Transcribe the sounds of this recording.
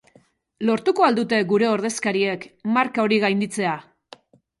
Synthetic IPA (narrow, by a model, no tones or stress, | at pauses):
lo̞ɾt̪uko̞ald̪ut̪e̞ɡuɾe̞o̞ɾð̞eskaɾie̞kmaɾkao̞ɾiɣajnd̪it͡se̞a